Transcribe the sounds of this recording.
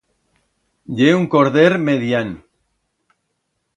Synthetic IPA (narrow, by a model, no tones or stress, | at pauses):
ʎeuŋkoɾðeɾmeðjan